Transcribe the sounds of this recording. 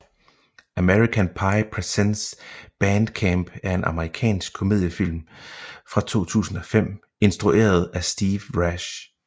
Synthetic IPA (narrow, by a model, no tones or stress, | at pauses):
æmeʁikʰænpʰɑ̈ɪpʰʁɛsensb̥ænd̥kʰæmb̥æɐe̝nʔɑ̈məʁikʰɛ̰ːnsɡ̥̚kʰːome̝ð̞ˠjəfil̰mfʁɑ̈t͡sʰo̝̰ːt͡sʰṵːsn̩ɒ̽fem̰ | e̝nsd̥ʁuʔe̝̰ːɐð̞̩ˠæsd̥iːʋʁæɕ